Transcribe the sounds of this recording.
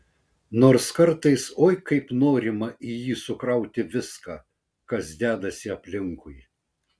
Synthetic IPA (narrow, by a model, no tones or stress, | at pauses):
noːɾskɐɾt̪ɐɪsoːjkɐɪpnoːɾʲɪmɐʔijiːsʊkɾɐʊt̪ʲɪʋʲɪskɑː | kɐsd̪ʲæːd̪ɐsʲɪɐpʲlʲɪŋkʊj